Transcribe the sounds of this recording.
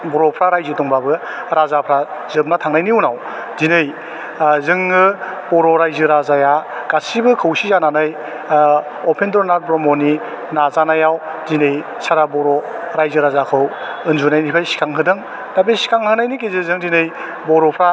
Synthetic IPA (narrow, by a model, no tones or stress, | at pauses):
bɔɾɔpʰɾaɾajzɯtɔŋbabɯ | ɾazapʰɾazɯp̚natʰaŋnajniunaw | dinɯj | zɯŋːɯb̥ɔɾɔɾajzɯɾazajaɡ̥asibɯkʰɯwsizananɯj | ɔpʰendɾɔnaɾbɾɔmɔni | nazanajaw | dinɯj | saɾabɔɾɔɾajzɯɾazakʰɯw | ɯnzunajnipʰajsi̥kʰaŋɦɯdɯŋ | nabesi̥kʰaŋhʰɯnajnikizɯzɯŋdinɯj | bɔɾɔpʰɾa